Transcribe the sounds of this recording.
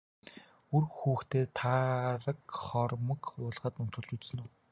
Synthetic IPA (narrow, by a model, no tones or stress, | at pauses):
urxuːxt̪eːt̪ʰaɾə̆kχɔrmə̆kʊːɮʁəːt̪ɵn̥t̪ʊ̆ɮt͡ɕut͡ɕsɵ̆nuː